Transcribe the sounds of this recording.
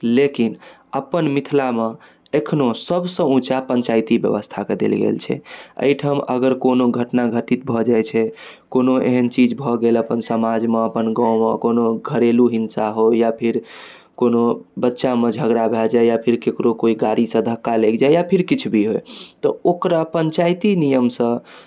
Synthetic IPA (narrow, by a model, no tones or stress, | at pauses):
lekin | əpənmit̪ʰlame | ekʰnosəbʱsə̃ũt͡ʃapə̃ɲt͡ʃajt̪ibjə̰ʋəst̪ʰaked̪ḛlɡḛlt͡ʃʰɛ̰ə̰ɪʈʰəmə̰ɡəɾkonoɡʱəʈnaɡʱəʈit̪̚bʱɔd͡ʒajt͡ʃʰɛ | konoʔḛɦənt͡ʃid͡ʒbʱɔɡeləpənsəmad͡ʒmeəpənɡãʊmeə̰konoɡʱəɾeluɦinsaɦojapʰiɾ | konobətːʃamed͡ʒʱəɡɾabʱɛld͡ʒaejapʰiɾkekɾokoiɡaɾisə̃d̪ʱəkːalekd͡ʒajjapʰiɾkit͡ʃʰubʱiɦojt̪ɔokɾapəɲt͡ʃajt̪inijəmsə̃